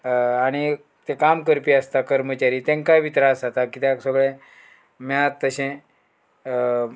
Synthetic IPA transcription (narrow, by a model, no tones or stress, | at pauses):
aɽ̃i | t̪ekamkəɾpiːəst̪akəɾmət͡ɕaɾiːt̪ɛ̃ŋkaʋit̪ɾasat̪akit̪jaksəɡɭe | mjat̪ːəɕẽ